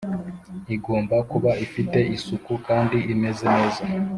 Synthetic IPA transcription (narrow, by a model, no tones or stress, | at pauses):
iɡo̞ːmbakuβaifite̞ʔisukukaːndiʔime̞zene̞ːza